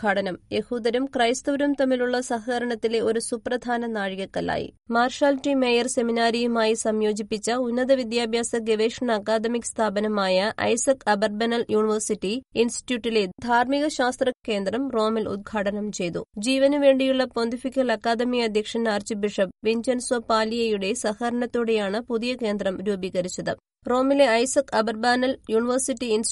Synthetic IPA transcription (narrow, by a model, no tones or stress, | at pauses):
ɡʱaːʈɐnɐmje̞huːd̪ɐɾumkrɐjst̪uːɾumt̪ɐmːiluɭːɐsɐɦɐɣɐɾɐɳɐt̪ːile̞o̞ɾusuprɐd̪ʱaːnɐnaːɻiɣɐkːɐla̰ːjḭmaːrʂaːlʈːimeːjɐrse̞minaːɾijumaːjisɐmjo̞ːd͡ʑipːit͡ɕːɐunːɐðɐʋid̪jaːbʱjaːsɐɡeʋeːʂɐɳɐːkːaːd̪ɐmikʲst̪ʰaːbɐnɐmaːjɐʔɐ̰jsɐkɐbɐrbɐnɐljuːɳiʋɐrsitːiinsti̥ʈjuːʈːile̞d̪ʱaːrmiɣɐɕaːst̪rɐkːe̞ːnd̪rɐmro̞ːmilṵd̪̚ɡʱaːʈɐnɐmt͡ɕe̞jt̪ṵd͡ʑiːʋɐnuʋe̞ːɳɖijuɭːɐpond̪ifikʲːɐlɐkːaːd̪ɐmiɐd̪ʱjɐkʂɐnaːrt͡ɕibiʂɐbʋeɲd͡ʑɐnsopaːlijɐjuɽe̞sɐhɐɾɐɳɐt̪ːuɽe̞jaːɳɨpuðijɐke̞ːnd̪rɐmɾuːbiɣɐɾit͡ɕːɐðɨ̰ | ro̞ːmile̞ɐjsɐkɐbɐrbaːnɐljuːɳiʋɐrsiʈːiins